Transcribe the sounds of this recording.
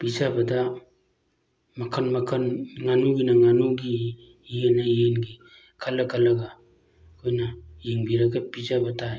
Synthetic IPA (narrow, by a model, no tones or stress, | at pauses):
pid͡ʒabada | makʰanmakʰanŋanuɡinaŋanuɡiː | enaienɡi | kʰalakalaɡa | kʰojnaiŋbiɾaɡapid͡ʒabata